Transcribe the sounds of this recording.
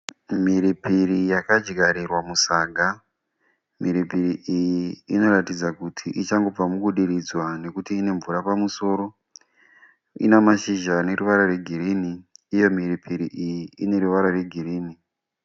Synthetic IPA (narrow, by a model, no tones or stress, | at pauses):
miɾipirijakad͡ʒiɡʱaɾirwamusaːɡʱa | miɾipiɾiʔijiːno̞ɾatid͡zakutʰiʔit͡ʃaŋɡo̞b͡vamuɡʱuɗiɾid͡zwane̞kutiːne̞ɱvuɾapamuso̞ːɾo̞ | ḭnamaʃiʒane̞ɾuʋaɾare̞ɡʱiɾiniːjo̞miripʰiɾiʔijiine̞ɾuʋaɾare̞ɡʱiɾiːni